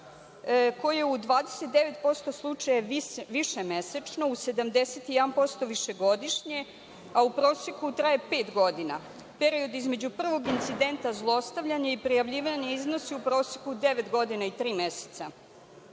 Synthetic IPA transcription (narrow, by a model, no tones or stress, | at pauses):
ko̞jjeud̪ʋaːd̪eset̪̚d̪eʋe̞t̪po̞st̪o̞slˠut͡ʂajaʋiʃemeset͡ʃno̞use̞d̪amd̪e̞set̪ijɛd̪anpo̞st̪o̞ʋiʃe̞ɡo̞d̪iʃɲe̞ | aupɾo̞ːsjekut̪ɾajepe̞ːt̪ɡo̞d̪ina̰ | pe̞ɾio̞d̪izme̞d͡ʑupr̩ʋo̞ɡint̪sid̪e̞nt̪azlˠoo̞st̪aʋʎaɲaipɾijaʋʎiːʋaɲeizno̞siupɾo̞ːsje̥kud̪e̞ʋe̞t̪ɡo̞d̪inait̪ɾiːmese̥t̪sa